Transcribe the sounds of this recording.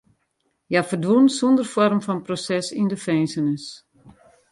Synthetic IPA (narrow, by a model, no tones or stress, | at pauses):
jafərdʋunsundərfɔrmfɔnprosɛsindəfɛjnsənəs